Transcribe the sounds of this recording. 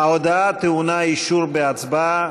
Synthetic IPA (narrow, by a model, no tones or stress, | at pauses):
awd̪at̪eunaiʃuɾbeat͡sba